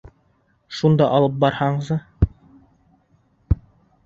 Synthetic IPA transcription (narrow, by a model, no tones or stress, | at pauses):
ʃund̪ɑʔɑlˠɤp̚bɑɾhɑɴɤzɤ